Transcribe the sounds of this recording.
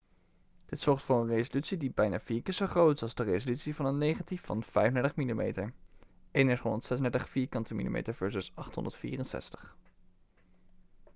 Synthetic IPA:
d̥ɪtsɔɹχtfʊːɹənrezolytsidibɛjna̰ːfiːɹkɪsoχrowtsɑlˠzdərejzolytsivɑnənːejχatifɑ̰nv̥ɛjvndɛɹtəχmilimḛjtəɹ | ʔejndɛtrɔntsɛsəndɛtəχfiːɹkɑntəmḭlḭmḛjtəɹvɛɹsəsɑχtɦɔ̰ndətfḭːrənsɛ̰stə̥χ

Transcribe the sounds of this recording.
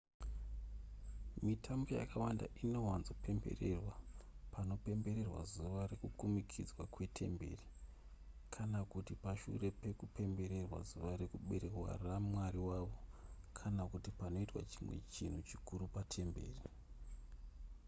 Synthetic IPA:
mitʰambo̞ja̰kawanda̰ʔino̞wanzopʰe̞mbe̞̰re̞rwapano̞pe̞mbe̞ɾe̞rwa̰zuʋaɾe̞kukumikʰid͡zwakwe̞tʰe̞mbe̞̰ri | kʰanakutipaʃṵre̞pe̞kupe̞mbe̞ɾe̞rwa̰zuʋaɾekuɓe̞ɾe̞rwa̰ramwaɾiwaʋo̞kʰanakutipano̞itwa̰t͡ʃimwe̞̰t͡ʃin̤ut͡ʃikuɾupatʰe̞mbe̞̰ːri

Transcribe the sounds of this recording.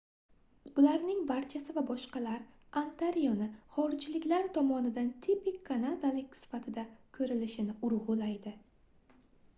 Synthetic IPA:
ʊlaɾnɪŋbaɾt͡ʃʰasɪvabɒʃqɑlaɾant̪ʰaɾijonɪχɒɾɪd͡ʒlɪkʲlaɾt̪ʰɒmɒnɪd̪ant̪ʰipɪkʲʰːanad̪alɪkʲsɪ̥fat̪ʰɪd̪akʰɵɾɪlɪʃɪnɪʊɾʁʊlajd̪ɪ

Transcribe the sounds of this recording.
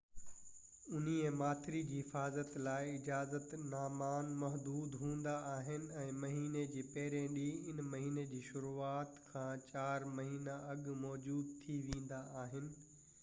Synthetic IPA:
ʊn̤iẽmaːt̪ʰɪɾid͡ʑiːɦɪfaːzət̪laːɪɪd͡ʑaːzət̪naːmaːnmɐɦd̪uːd̪ɦũːn̆d̪aaːɦɪnɪ̆ɛ̃ːmɐɦiːned͡ʑeːpɐɦɪɾẽɗiɪnmɐɦiːned͡ʑiːʃʊɾuːaːt̪kʰãːt͡ɕaːɾmɐɦiːnaɐɠmɔːd͡ʑuːd̪̚t̪ʰiʋẽːn̆d̪aaːɦɪnɪ̆

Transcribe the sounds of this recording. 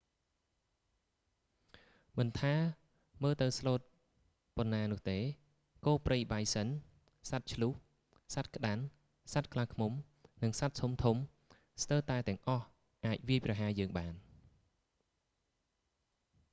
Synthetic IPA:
mɨnt̪ʰaː | məːlt̪ɨwsloːt̪̚ | ponːaːnʊ̆əht̪eː | koːprəjɓajsən | sat̪̚t͡ɕʰluh | sat̪̚kə̆ɗan | sat̪̚kʰlahkʰmum | nɨŋsat̪̚tʰumt̪ʰum | st̪əlt̪aɛt̪ɛ̆əŋʔɑh | ʔaːc̚ʋiəjprɑɦaːjəːŋɓaːn

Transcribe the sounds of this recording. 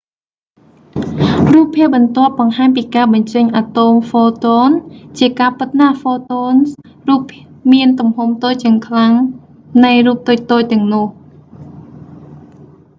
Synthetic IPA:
ruːpʰːiəp̚ɓɑnt̪ŏəp̚ɓɑŋhaːɲpiːkaːɓɑɲt͡ɕəɲʔat̪omfoːt̪oːnt͡ɕiəkaːpɨt̪̚nafoːt̪oːns | ruːp | miənt̪umhumt̪oːc̚t͡ɕɛ̆əŋkʰlaŋ | nɨjruːp̚t̪ʊːc̚t̪oːc̚t̪ɛ̆əŋnŭəh

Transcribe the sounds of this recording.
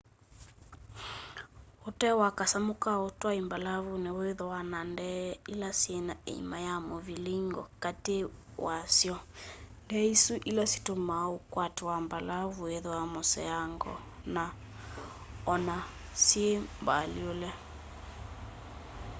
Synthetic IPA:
otɛwakasamokaotwaimbalaβuneoeðowanandɛilasienaḛḭmajamoviliŋɡɔ̰katewasjɔndɛisuʔilasi̥tomaokwatewambalavueðoamosɛ̰aŋɡɔ̰ | na | ɔna | siembaliolɛ

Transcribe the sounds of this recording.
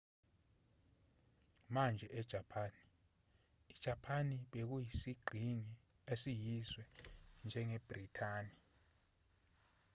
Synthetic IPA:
mand͡ʒʱɛʔɛd̥ʒ̥ʱapʰaːni | id̥ʒ̥ʱapʰaniɓek̬ujisiɡ͡ǃʱiŋi | esijizwɛnd͡ʒʱɛŋɛeb̥ritʰaːni

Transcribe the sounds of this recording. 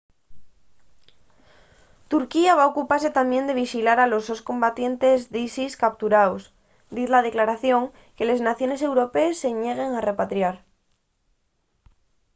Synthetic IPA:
t̪uɾkiaβao̞kupaɾse̞t̪amjẽ̞nd̪e̞β̞iʃilaɾalo̞so̞sko̞mbat̪je̞nt̪e̞zðisiskap̚t̪uɾaws | d̪iθlaðe̞klaɾaθjo̞ŋ | ke̞le̞znaθjo̞nese̞wɾo̞pe̞ːsːe̞ɲe̞ɣ̞e̞ŋare̞pat̪ɾjaɾ

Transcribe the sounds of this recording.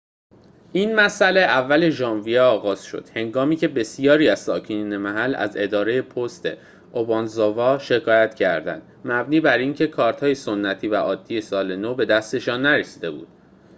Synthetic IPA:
ʔiːnmæsæle̞ʔævːæle̞ʒɒːnvijeɒːɣɒːz̥ʃo̰d̪̥he̞ŋɡɒːmiːcʰe̞be̞sijɒːɾiːæz̥sɒːcʰeniːnemæɦælæ̰ze̞d̪ɒːɾe̞je̞pʰost̪e̞̰ | obɒːnzovɒːʃe̞kʰɒːjæt̪ʰcʰæɾd̪æ̰nd̪̥mæbniːbæɾiːncʰe̞kʰɒːɾt̪hɒːje̞sonːæt̪ʰiːvæʔɒːd̪̥ːije̞sɒːle̞nobe̞d̪æst̪e̞ʃɒːnːæɾesi̥d̪e̞bṵːd̪̥

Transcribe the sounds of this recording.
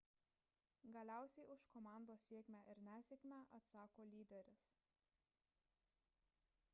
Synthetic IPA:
ɡɐlʲæˑʊsʲɛɪʊʃkɔmɑˑnd̪oːsːʲiɛkʲmʲæːʔɪɾnʲæːsʲeːkʲmʲæʔɐt̪sɑːkoːlʲiːd̪ʲɛɾʲʊs

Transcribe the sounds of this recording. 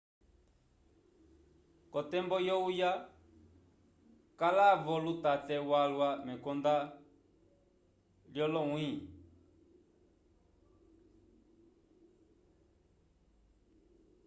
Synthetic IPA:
kɔt̪ɛmbɔjɔuja | kalavɔlut̪atɛwalwamɛkɔnd̪a | ljɔlɔwĩ

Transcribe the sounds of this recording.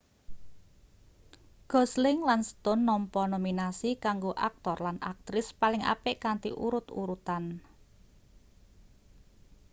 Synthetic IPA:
ɡ̥ɔ̤slɪŋlansə̥t̪ʊnːɔmpɔnominasikaŋɡoʔak̚t̪ɔrlanʔa̰k̚t̪ɾɪspalɪŋa̰pɪʔkant̪iʔṵɾʊt̪ṵɾut̪an

